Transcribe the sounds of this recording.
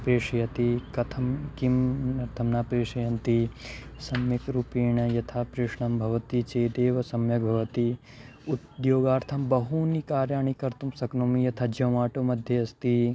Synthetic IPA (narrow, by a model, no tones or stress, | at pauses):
pɾeːʂɐjɐt̪ikɐt̪ʰɐmkimɐɾt̪ʰɐmnaːpɾeːʃɐjɐnt̪isɐmjɐkɾupiːɳɐjɐt̪ʰapɾɪʂɳɐmbʱɐʋɐt̪it͡ʃeːd̪eːʋɐsɐmjɐk̚bʱɐʋɐt̪i | ud̪joːɡaːɾt̪ʰɐmbɐɦunikaːɾjaːɳikɐɾt̪umsɐknoːmijɐt̪ʰad͡ʒɐmaːʈomɐd̪ʱjɐɐst̪i